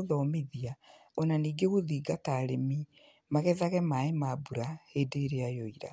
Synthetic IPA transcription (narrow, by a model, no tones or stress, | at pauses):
ðɔmeðia | ɔnaniːɡeɣoðiːɡataːɾemi | maɣɛðaɣɛmaemabuɾahedeɾeajoiɾa̰